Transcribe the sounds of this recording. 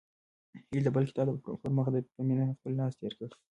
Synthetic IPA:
hild̪əbəlkɪ̥t̪ɑbpʊɾməxd̪əkaminaxpəlːlɑst̪eɾkəi

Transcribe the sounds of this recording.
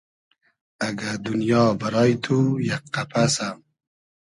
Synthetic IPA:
aɡad̪unjɑːbaɾɑːjt̪ʰujakqapʰasam

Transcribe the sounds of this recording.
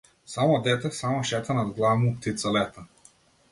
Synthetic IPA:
samɔd̪ɛt̪ɛsamɔʃɛt̪anad̪ɡlˠavmup̚t̪it̪salɛt̪a

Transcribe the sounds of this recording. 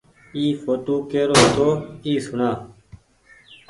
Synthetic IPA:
iːfoːʈuːkeːɾoːt̪oːiːsʊɳãː

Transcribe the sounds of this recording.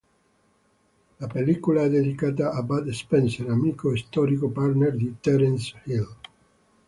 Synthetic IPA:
lapelːikolaɛd̪ːed̪ikaːt̪̬aːbad̪espɛnseɾamiːkoist̪ɔɾikoparnerd̪it̪ɛɾɛnshil

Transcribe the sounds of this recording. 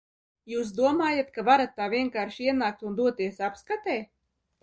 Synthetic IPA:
juːs̬d̪uɔmaːjat̪kavaɾat̪ːaːviɛŋkaːɾʃiɛnaːk̚t̪und̪uɔt̪iɛsapskat̪ɛː

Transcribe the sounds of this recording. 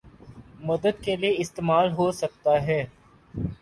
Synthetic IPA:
mɐd̪əd̪kelieɪst̪eːmaːlɦosɐk̚t̪aɦɛː

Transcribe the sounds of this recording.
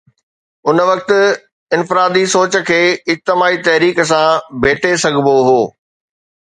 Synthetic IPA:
ʊnʋɐk̚t̪ɪ̆ | ɪnfɪɾaːd̪isoːt͡ɕə̆kʰeːɪd͡ʑt̪ɪmaːit̪ɐɦɾiːkəs̬ãbʱeːʈʰesɐɡʱɪboɦoː

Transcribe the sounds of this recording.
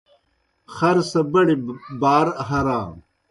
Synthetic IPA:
xɐɾsɐbɐɽibaːɾɦɐɾaː

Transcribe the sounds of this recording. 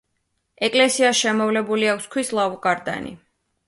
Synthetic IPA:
ɛkʼlɛsiasʃɛmɔvlɛbuliakʰskʰwislˠavukʼaɾd̪a̰nḭ

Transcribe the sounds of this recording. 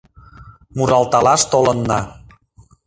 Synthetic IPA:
muɾɑlt̪ɑlɑʃt̪olənːɑ̰

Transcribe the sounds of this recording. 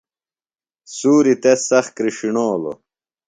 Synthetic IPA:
suːɾit̪esɐxkɾiʂiɳoːlo̰

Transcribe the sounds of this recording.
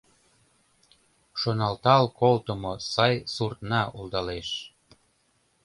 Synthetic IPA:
ʃonɑlt̪ɑlkolt̪əmosɑjsurt̪nɑuld̪ɑleʃ

